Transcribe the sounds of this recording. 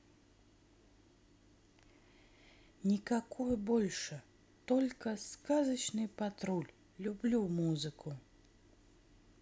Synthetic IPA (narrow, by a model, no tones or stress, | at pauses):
nʲikakʰɔjbɔlʲʂɐ | t̪ɔlʲkɐskazɐt͡ʃnɨpat̪ɾulʲ | lʲublʲumuzɨkʰu